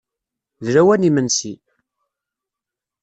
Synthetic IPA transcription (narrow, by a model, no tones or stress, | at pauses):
ðɾæwænimənsi